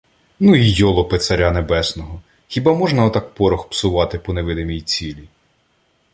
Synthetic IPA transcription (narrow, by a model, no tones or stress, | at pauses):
nuijɔlˠɔpet̪sɐɾʲanebɛsnɔɦɔ | xʲibɑmɔʒnɐɔt̪ɑk̚pɔɾɔxpsʊʋɑt̪ɪpɔneʋɪd̪emʲijt͡sʲilʲi